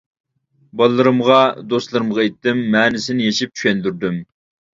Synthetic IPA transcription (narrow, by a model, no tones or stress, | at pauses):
bɑlˠːɨɾɨmʁɑd̪ost̪lˠɨɾɨmʁɑet̪ːɪmːɛːnɪsɪnɪjeʃip̚t͡ʃʰy̥ʃʲɛnd̪yɾd̪ym